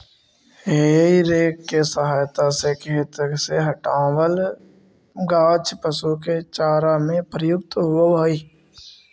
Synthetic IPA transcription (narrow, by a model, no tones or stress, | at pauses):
ɦeiɾeːkːesəɦaːjt̪asekʰet̪əkseɦəʈaːwəl | ɡaːt͡ʃpəsuk̬et͡ʃaːɾamẽpɾəjʊk̚t̪ɦʊoaːiː